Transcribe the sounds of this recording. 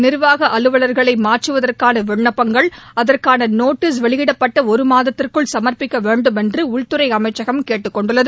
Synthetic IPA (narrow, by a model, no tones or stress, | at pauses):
nɪɾʋaːɣɐʔɐlɯʋɐɭɐɾɣɐɭɐɪmaːrt͡ʃːɯʋɐðɐrkaːnɐʋɛɳːɐpːɐŋɡɐɭɐðɐrkaːnɐnoːʈːis̬ʋɛɭɪɣɪɽɐpːɐʈːɐɔɾɯmaːðɐt̪ːɪrkɯɭsɐmɐrpɪkːɐʋeːɳɖɯmɛndrɯʊɭt̪ɯɾɐɪɐmɐɪt͡ʃːɐɣɐmkeːʈːɯkːɔɳɖɯɭːɐðɯ